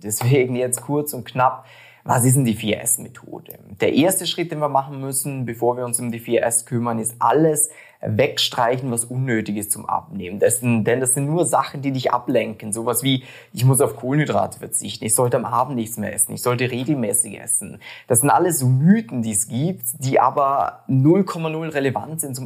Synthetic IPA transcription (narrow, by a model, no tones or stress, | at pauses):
d̥ɛsv̥eːɡŋ̩jɛt͡stkʰʊɐt͡sʊnt̚knap | va̰sɪs̬n̩d̥iːfiːɐ̰ʔɛ̰smetʰo̰ːd̥əd̥eːɐʔeːɐstəʃʁ̥ɪt̚d̥eːnviːɐmaχn̩mʏsn̩bəfoːɐviːɐʊnsʊmdiːfiːɐʔɛskʰʏmɐnɪstʔa̰ləs | vɛkʃtʁ̥aɪçn̩vasʔʊnːøːtɪɡəst͡sʊmʔa̰pnḛːməndɛsnd̥ɛndasz̥ɪntnuːɐzaχn̩d̥iːnɪçtʔa̰plɛŋkn̩zoːvasv̥iː | ʔɪçmʊs̬aʊfkʰoːlənhydʁa̰ːtə̥fɛɐt͡sɪçtn̩ɪçz̥ɔltəamʔaːbn̩tnɪçt͡smeːɐʔɛsn̩ɪ̰çz̥ɔltəʁeːɡl̩mɛːsɪçʔɛ̰sn̩d̥asz̥ɪntʔa̰ləsz̥oːmyːtn̩diːɛsɡ̥iːp̚td̥iːʔa̰ːbɐnʊlkʰɔmanʊlʁeleva̰ntz̥ɪntt͡sʊm